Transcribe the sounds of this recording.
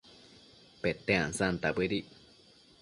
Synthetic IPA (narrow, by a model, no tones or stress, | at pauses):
pet̪eãnsant̪abɨɾi